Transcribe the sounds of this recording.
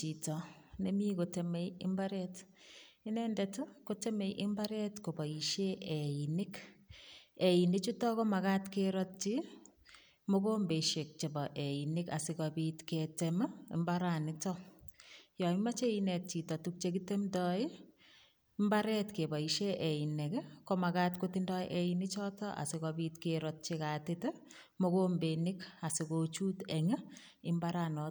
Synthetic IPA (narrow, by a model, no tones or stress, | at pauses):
t͡ʃitɔnemikotemeɪ̰mbaɾɛt | ɪnɛndɛtokotemejʔɪmbaɾɛtkobɔiʃeeinɪk | einɪt͡ʃutɔkɔmakatkeɾɔt̚t͡ʃi | mokombeʃek̚t͡ʃebɔʔeinɪka̰sɪkɔbitketemaɪ̰mbaɾanɪtɔ | jɔmat͡ʃeinɛt̚t͡ʃitɔtuk̚t͡ʃek̬itemdɔɪ | mbaɾɛtkebaiʃɛʔɛinɛkɛkɔmakatkotindɔʔeinɪt͡ʃɔtɔʔa̰sɪkɔbiːtkeɾɔt̚t͡ʃikatɪtɛ | mokombenɪkasɪkot͡ʃutɛŋə | ɪmbaɾanɔ